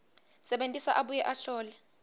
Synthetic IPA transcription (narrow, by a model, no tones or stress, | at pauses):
sɛɓentʼisaʔaɓujɛʔaɬɔːlɛ